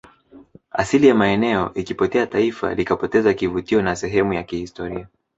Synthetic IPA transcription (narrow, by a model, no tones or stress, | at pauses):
a̰silijamaɛnɛɔ̰ʔikipɔtɛataifa̰likapɔtɛzakivutiɔnasɛɦɛmujakihistɔɾia